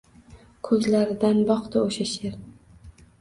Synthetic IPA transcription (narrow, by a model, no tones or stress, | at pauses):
kʰɵzlaɾɪd̪anbɒqt̪aoʃaʃeɾ